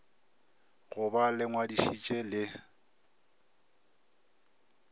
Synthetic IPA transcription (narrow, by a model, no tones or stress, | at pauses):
ɣʊbalɪŋwadiʃit͡ʃʼelɪ